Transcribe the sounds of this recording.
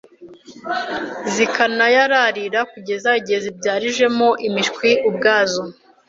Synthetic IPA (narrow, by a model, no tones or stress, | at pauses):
zikanajaɾaɾiɾakuɟe̞zaɟezibɟaːɾiʒe̞moʔimiʃkwiub̚ɡaːzo